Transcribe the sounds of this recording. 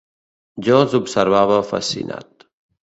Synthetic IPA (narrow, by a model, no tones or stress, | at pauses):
d͡ʒɔzubsəɾβaβəfa̰sḭna̰t̪